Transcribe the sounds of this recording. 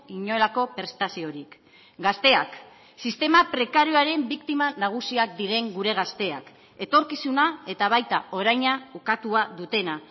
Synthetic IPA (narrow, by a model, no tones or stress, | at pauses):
iɲo̞elako̞pe̞ɾst̪asio̞ɾik | ɡast̪e̞ak | sist̪e̞mapɾe̞kaɾioaɾe̞mbikt̪imanaɣ̞usiakd̪iɾe̞ŋɡuɾe̞ɣ̞ast̪e̞a̰k | e̞t̪o̞ɾkisunae̞t̪aβ̞ajt̪ao̞ɾajɲaukat̪uaðut̪e̞na